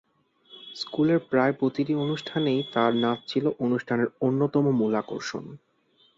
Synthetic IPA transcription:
skuleɾpɾaepɾot̪iʈionuʃʈʰanejt̪aɾnat͡ɕʰiloʔonuʃʈʰaneɾonːot̪ɔmomulako̰ɾʃo̰n

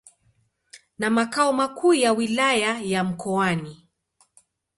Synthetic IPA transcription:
namakaɔmakʰuːjawilajajam̩kɔani

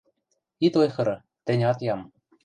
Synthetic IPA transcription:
it̪ojxɤ̆ɾɤ̆ | t̪ɘ̆nʲɑt̪jɑm

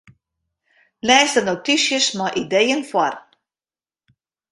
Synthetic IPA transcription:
lɛːsdənowtisjəsmaʔidejənfwar

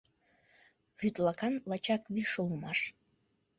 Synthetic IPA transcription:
ʁʲyt̪ʼlakʰanlat͡ʃʰakʼwiʂɨlumaʂ

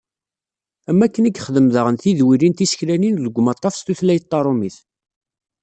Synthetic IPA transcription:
æmːækːəniɡχðəmðəʁənθiðwiɾint̪isə̥çɾæninðəɡʷːmɑt̪ˤːɑfst̪uθlæjət̪ˤːɑɾˤomiθ

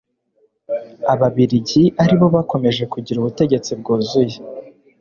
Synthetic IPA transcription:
aβaβiɾiɟiʔaɾiβo̞βako̞me̞ʒe̞kuɟiɾuβute̞ɟe̞t͡sib̚ɡuːzuje

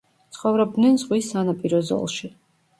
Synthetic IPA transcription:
t̪sʰχɔvɾɛb̚d̪nɛnzʁwisːanapʼiɾɔzɔ̰lˠʃi

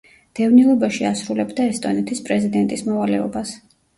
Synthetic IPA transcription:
d̪̥ɛvnilˠɔbaʃiasɾulɛbd̪aɛst̪ʼɔnɛt̪ʰispʼɾɛzid̪ɛnt̪ʼismɔvalɛɔbas

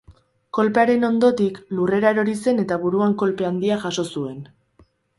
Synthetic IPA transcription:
ko̞lpeaɾe̞no̞nd̪o̞t̪iklure̞ɾaeɾo̞ɾise̞ne̞t̪aβuɾuaŋko̞lpe̞and̪iaʝaso̞sue̞n

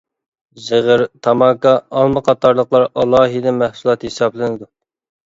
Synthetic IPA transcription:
zɨʁəɾt̪ʰɑmɑkɑːlˠmɨqʰɑt̪ɑɾlˠəqlˠɑɾɑlˠɑːɦɨd̪ɛmæhsulˠɑt̪hesɑblˠɨnɨd̪u

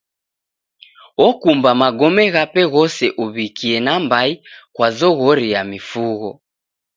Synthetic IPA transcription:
ɔkumbamaɡɔmɛɣapɛɣɔsɛʔuβikiɛnambaikwazɔɣɔɾijamifuɣɔ

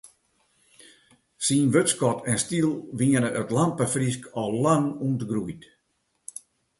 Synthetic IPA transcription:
sinʋøtskɔtʰɛnstilˠʋiənəʔətlampəfris̬kɔlˠlaŋuntəɡrujt

